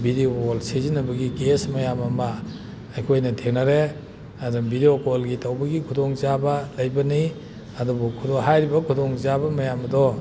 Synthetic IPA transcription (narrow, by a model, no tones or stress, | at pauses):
bideokolsezinɐbɐɡikesmɐjamɐmɐː | jkʰojnɐtʰeŋnɐɾe | ɐdubideokolɡitʰawbɐɡikʰudoŋzabɐlɐjbɐni | ɐdubukʰudoŋɦajɾibɐkʰudoŋzabɐmɐjamɐdɔ